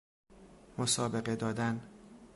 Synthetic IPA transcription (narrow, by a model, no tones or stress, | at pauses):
mosɒːbe̞ɢe̞d̪ɒːd̪æn